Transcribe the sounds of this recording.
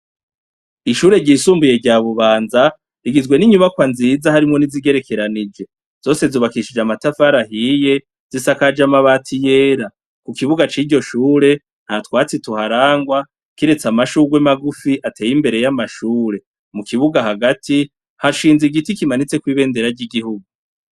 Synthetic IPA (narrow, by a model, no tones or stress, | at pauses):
iʃuːɾe̞ɟiːsuːmbuje̞ɟaːβuβaːnza | ɾiɡizɡwe̞niɲuβakwanziːzahaɾimŋo̞niziɡe̞ɾe̞kʰe̞ɾanid͡ʒe̞ | z̥o̞ːse̞zuːβakiʃid͡ʒamatafaɾaɦije̞ | z̥isakad͡ʒamaβaːtʰijeːɾa | kukiβuɡat͡ʃiːɾɟo̞ʃuːɾe̞ | n̥hatwaːt͡situhaɾaːŋɡwa | kiɾe̞t͡samaʃuɡwemaɡufiʔatʰe̞ːjimbe̞ɾe̞jamaʃuːɾe̞ | mukiβuɡaɦaɡatʰi | haʃiːnziɡitikimanit͡se̞kwiːβe̞ːnde̞ɾaɟiɡihuɡu